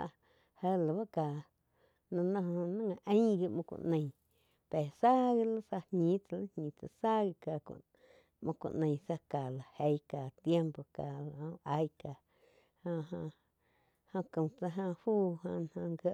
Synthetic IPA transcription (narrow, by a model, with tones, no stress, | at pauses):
hə˧la˨ba˦ka˨ | nã˧nã˦˧ɦo˧o˧nã˦ŋã˨˧ʔə̃˦ɡi˧mõ˧kʷṵ˧ʔnə̃˧j | pe˨sa˦ɡi˦˧la˦sa˧hɲĩ˦t͡sa˧la˦hɲĩ˨t͡sa˧˨sa˦ɡi˧ka˨kṵ̃˨ | mʔõ˧kʷṵ̃˨ʔnə̃˨jsa˧ka˨la˨he˧jka˨t̪je˦mpo˨ka˨lõ˧˦a˧˦jka˨ | hã˧ɦã˧ | hõ˧kə̃˨t͡sa˧ɦã˧huː˦ɦã̰˧n˧hã˧ŋɡə˧ʔ